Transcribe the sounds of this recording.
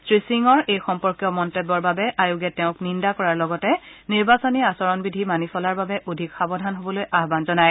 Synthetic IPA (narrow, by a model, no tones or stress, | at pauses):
sɹisiŋɔɹʔejxɔmpɔɹkjɔmɔntebːɔɹbabɛʔajuɡɛtɛʊ̃knindakɔɹaɹlɔɡɔtɛniɹbasɔniasɔɹɔnbidʱimanisɔlaɹbabɛʔodʱikxabɔdʱanɦobɔlojʔaɦbanzɔnaj